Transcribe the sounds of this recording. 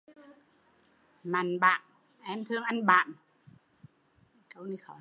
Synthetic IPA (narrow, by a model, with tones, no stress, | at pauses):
ma˨˩nɓa̰ː˧˨n | ʔɛ˧mt̪ʰɨ˧əŋʔa˧nɓa̰ː˧˨m | kə˧wni˧xɔ˨˦